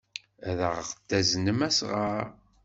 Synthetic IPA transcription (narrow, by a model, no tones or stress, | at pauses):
æðəʁʁd̪ːæznəmæsʁəɾ